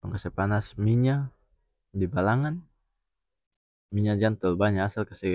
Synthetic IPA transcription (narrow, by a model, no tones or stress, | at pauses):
əŋkəsəpanasmiɲa | dibalaŋan | miɲad͡ʒant̪əlbaɲaːsalkəsɛ